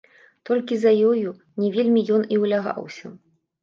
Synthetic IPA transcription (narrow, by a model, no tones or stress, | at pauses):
t̪ɔlʲkʲizɐjɔju | nʲɛvʲelʲmʲijɔniwlʲaɣa̰wsʲɐ̰